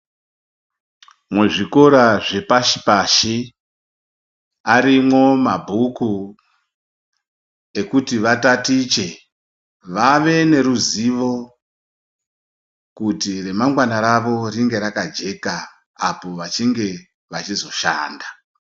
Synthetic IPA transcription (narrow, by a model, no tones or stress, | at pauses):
mweʐiko̞ɾaʐe̞paʃi̥paʃi | aɾimwo̞mabʱuku | e̞kutiʋatatit͡ʃe̞ | ʋaʋe̞ne̞ɾuziʋo̞ | kutire̞maŋɡwanaɾaʋo̞riŋɡe̞ɾakad͡ʒe̞kaː | po̞ʋat͡ʃiŋɡe̞ | ʋat͡ʃizo̞ʃa̰ːnda